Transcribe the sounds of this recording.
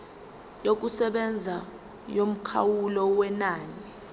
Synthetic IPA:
jok̬usɛɓɛnd͡zʱa | jom̩kʰawulɔwɛnaːni

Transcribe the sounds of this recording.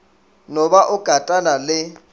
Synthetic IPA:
nɔbaʔʊɡ̥ʱatʼanalɪ

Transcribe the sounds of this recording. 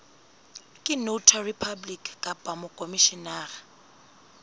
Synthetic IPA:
kʼɪnotʰaripʰablikʼkʼapʼamʊkʼomiʃinaːra

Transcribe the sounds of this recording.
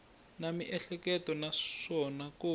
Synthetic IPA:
namiʔɛɬɛkɛtɔnaʂɔnako

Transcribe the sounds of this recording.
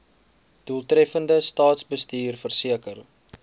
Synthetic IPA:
d̥uəlˠtrɛfəndəstɑːtsbəstiːrfərsiəkər

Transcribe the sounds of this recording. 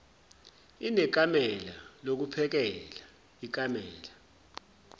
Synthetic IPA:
inɛk̬ʼamɛla̰lok̬upʰɛk̬ɛla | ik̬amɛ̰ːla

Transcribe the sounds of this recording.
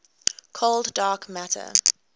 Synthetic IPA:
kʰolddɑːkmætʰə̰

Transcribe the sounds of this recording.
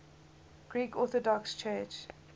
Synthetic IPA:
ɡ̥ɹiːkɔθɔdɔkst͡ʃʰɜːt͡ʃ

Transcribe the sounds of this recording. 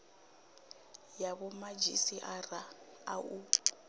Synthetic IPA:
jaβɔmad͡ʒḭsiʔara | au

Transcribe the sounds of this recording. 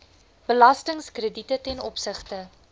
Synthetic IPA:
b̥əlɐstəŋskrəditətɛnɔpsəχtə

